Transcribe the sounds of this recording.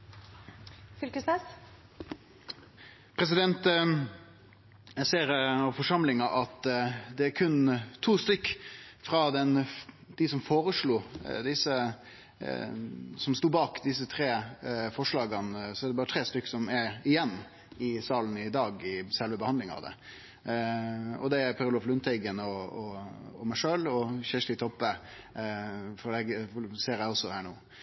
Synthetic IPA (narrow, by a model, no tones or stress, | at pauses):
fʏlkəsmɛs | pʰɾɛsɪd̪ɛnt̪ | seːɾɔfɔʂɑmlɪŋɑʔɑt̪d̪ɛæɾkʰʉnt̪ʰuːst̪ʏkːfɾɑd̪ɛnd̪̥ɪsɔmfoːɾəʂluːd̪ɪsə | sɔmst̪uːbɑːkd̪ɪs̬ət̪ʰɾeːfɔʂlɑːɡɑnsɔæɖ̪ɛbɑːɾət̪ʰɾeːst̪ʏkːsɔmæɾɪjɛnː | ɪsɑːlnəɪd̪ɑːɡɪsɛlʋəbəhɑnlɪŋɑ̰ʋd̪ɛ̰ | ɔ̰d̪ɛæɾpʰɑɾʊlɔflʉnt̪ʰɛɪɡənɔɔɔmæɪʂøːlɔɕæʂlɪt̪ʰɔpːə | fɔlɛɡseːɾæɔsːɔhæːɳoː